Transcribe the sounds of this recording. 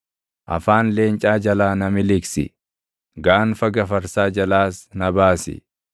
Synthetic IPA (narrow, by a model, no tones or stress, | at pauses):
ʔɐ̰faːnle̞ːnt͡ʃʼaːd͡ʒɐlaːnɐmɪlɪksɪ̰ | ɡaːnfɐɡɐfɐɾsaːd͡ʒɐlaːsnɐbaːsɪ̰